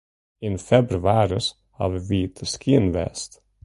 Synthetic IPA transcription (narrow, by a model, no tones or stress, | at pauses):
ɪnfɛbɾʉaːɾəs | hɑ̰ːvəviːt̪ʰəskʰiːnvɛ̰st̪